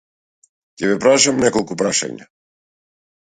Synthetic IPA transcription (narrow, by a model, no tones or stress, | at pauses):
cɛvɛpɾaʃamnɛkɔlˠkupɾaʃa̰ɲa̰